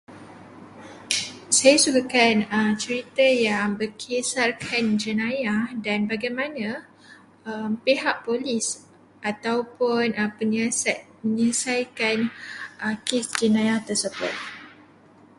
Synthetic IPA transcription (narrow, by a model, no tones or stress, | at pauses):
sajasuɡakanəmt͡ʃəɾit̪əjaŋbəkʰesarkʰand͡ʒənãjahdanbaɡajmãnã | əmpeɦaʔpolɪs | ʔat̪awpʊnəə | məɲəsajkanəkesd͡ʒənãjaht̪ərsəbʊ̰t̪̚